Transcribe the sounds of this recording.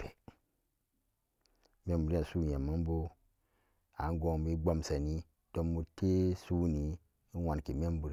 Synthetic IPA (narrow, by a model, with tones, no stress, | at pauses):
pʰe˨ | me˦mbu˨ɾa˨su˦˨je˨ma˦n˦bo˦ | a˨˦n˦ɡo˨ŋbi˦ɡ͡bo˦msa˨ni˦ | to˦mu˨te˦su˦ni˨˦ | wa˨nki˨me˦m˦bu˨ɾ